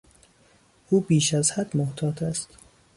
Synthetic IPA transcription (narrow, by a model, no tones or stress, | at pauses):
ʔuːbiːʃæzhæd̪moht̪ʰɒːt̪ʰæst̪